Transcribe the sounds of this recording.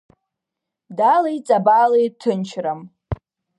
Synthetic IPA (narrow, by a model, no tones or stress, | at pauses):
dalajt͡sʼabalejtʰɨnt͡ʃʰram